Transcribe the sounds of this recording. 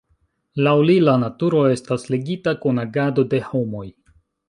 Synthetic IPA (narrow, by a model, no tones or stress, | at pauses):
lawlilanatuɾo̞e̞stasleɡitakonaɡado̞de̞ho̞mo̞j